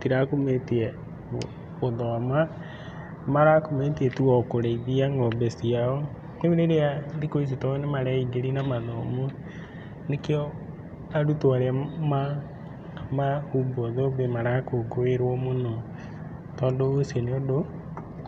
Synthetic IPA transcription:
tiɾakometiɛ | oðɔma | maɾakometiɛtiwɔkoɾeiðiaŋɡɔbesiaɔ | neβiɾeɾeaɾikois̬itɔnemaɾeiɡeɾinamaðɔmo | nekeɔ | aɾutwaɾeama | mahubɔðobemaɾakoɡoeɾwɔmonɔ | tɔndoːseneodo

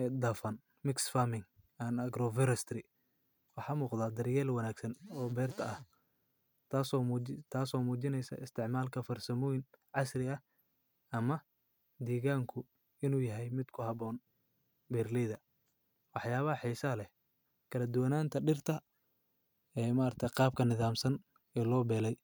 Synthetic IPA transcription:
d̪ɐːfɐn | mɪksfamɪŋ | anɐɡɾɔvɛɾɛst̪ɾɪ | wɑħɑːmuːqd̪aːd̪ɐrjɛːlwɐnaːɡsɐnɔːbɛːrt̪ʰɐɐh | t̪ʰaːsɔːmut̪ʰaːsɔːmuːt͡ʃɪnɛjsɐ̰ɪst̪ʰɪʕmaːlkʰɐfɐrsɐmɔjɪnʕɑsrɪɐh | ɐmɐ | d̪iːɣaːŋkʰʊ | ɪnuːjɐɦɛjmɪd̪kʰʊɦɑβɔːn | bɛrliːðɐ | wɑħjaːβɐɦɐħiːsɐlɛh | kʰɐlɐd̪ʊwɐnaːnt̪ʰɐɖɪrt̪ʰɐ | ɛːmɐːɾt̪ʰɛqɑːb̚kʰɐnɪðaːmsɐn | ɛːlɔːbɛːlɛj

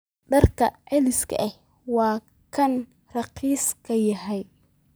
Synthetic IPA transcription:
ɖɐrkʰɐʕɛlɪskʰɐ̰ʔɛh | wɑː | kʰɐn | rɑqiːskʰɐjɐɦɛj

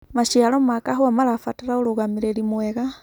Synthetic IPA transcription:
maʃiaɾɔmakaɦwamaɾafataɾaoɾoɣameɾeɾimwɛɣa

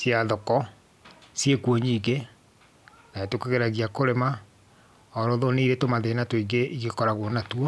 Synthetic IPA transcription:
sjaðɔkɔ | sjekwoɲiːɡe | naetokeɣeɾaɣiakoɾema | ɔɾɔðoneiɾetomaðenatoiɡeiɣekɔɾaɣwɔnatwɔ

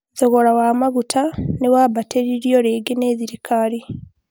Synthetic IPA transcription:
zoɣo̞ɾawaːmaɡutʰanewaːβateɾiɾjo̞ɾeːɡeneːziɾikʰaɾi

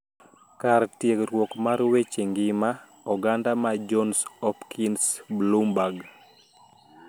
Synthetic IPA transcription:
kaɾtjeɡɾwɔkmaɾwet͡ʃeŋɡɪma | ɔɡandamad͡ʒɔnsɔpkʰinsblumbaɡ

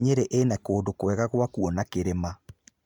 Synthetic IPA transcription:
ɲeɾeʔenakoːdokwɛɣaɣwakuɔnakeɾema

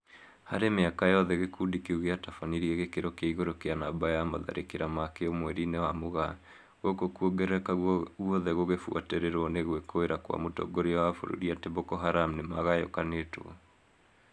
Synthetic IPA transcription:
ha̰ɾemeakajɔðɛɣekudikeuɣeatafaniɾiɛɣekeɾokaiɣoɾokeanabajamaða̰ɾʔḛkeɾamakeomwɛɾinewamoɣa | ɣokokuoɡɛɾɛkawɔðɛɣoɣefua̰teɾeɾɔneɣwekoeɾakwa̰motɔ̰ɡoɾeɔwafo̰ɾo̰ɾiateβokɔɦaɾamnemaɣajo̰kaneto̰ɔ̰

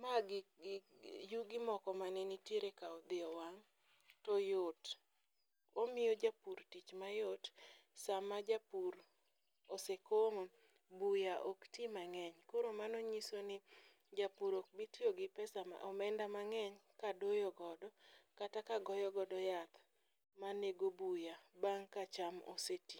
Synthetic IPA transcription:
maɡɪ | juɡɪmɔkɔmanenitjeɾekaɔd̪ɪɔwaŋ | tɔjot | omɪjod͡ʒapuɾtit͡ʃmajotsamad͡ʒapuɾ | osekomo | bujaʔoktimaŋɛɲkoɾomanɔɲisonɪ | d͡ʒapuɾok̚bitioɡɪpɛsama̰ʔɔmɛndamaŋɛɲkadojɔɡɔdɔkatakaɡɔjɔɡɔdɔjat̪ | maneɡobujabaŋkat͡ʃamo̰seti

